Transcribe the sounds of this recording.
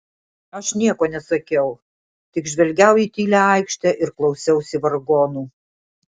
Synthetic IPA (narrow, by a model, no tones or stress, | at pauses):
ɐʃnʲiɛkoːnʲɛsɐkʲɛʊ | t̪ʲɪkʒʲʋʲɛlʲɡʲɛʊiːt̪ʲiːlʲæɐˑɪkʃʲt̪ʲæʔɪɾklˠɒʊsʲɛʊsʲɪʋɐɾɡoːnuː